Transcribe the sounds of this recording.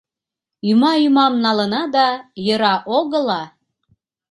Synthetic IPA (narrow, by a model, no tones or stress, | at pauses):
ymɑymɑmnɑlənɑd̪ɑjəɾɑʔoɣəlɑ